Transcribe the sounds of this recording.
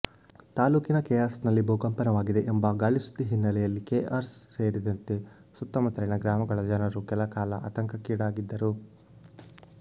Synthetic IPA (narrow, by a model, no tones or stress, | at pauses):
t̪aːluːkinɐkeːaːɾsnɐlːibʱoːɡɐmpɐnɐʋaːɡid̪e̞ʔembɐɡaːɭisu̥t̪ːiɦinːɐlɛjɐlːikeːʔaɾsseːɾid̪ɐnt̪e̞ | sut̪ːɐmɐt̪ɐɾɐnɐɡɾaːmɐɡɐɭɐd͡ʒɐnɐɾukɛlɐkaːlɐʔa̰ːt̪ɐŋkɐkiːɽaːɡid̪ːɐɾu